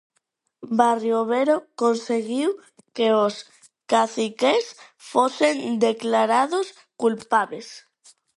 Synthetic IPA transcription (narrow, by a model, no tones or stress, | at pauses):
barjoβeɾokonseɣiw | keos | kaθikesfosend̪eklaɾaðos | kulpaβles